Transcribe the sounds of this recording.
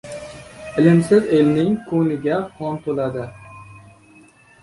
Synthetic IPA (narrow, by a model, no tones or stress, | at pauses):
ɪlɪmsɪzelnɪŋkʰɵŋlɪɡʲaqʰɒnt̪ʰolad̪ɪ